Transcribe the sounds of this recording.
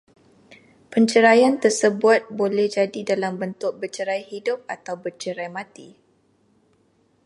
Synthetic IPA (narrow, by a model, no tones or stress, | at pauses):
pəɲt͡ʃəɾajant̪ərsəbʊt̪̚bolɛhd͡ʒadidalambənt̪ʊk̚bət͡ʃəɾajhidʊp̚at̪awbət͡ʃəɾajmãt̪i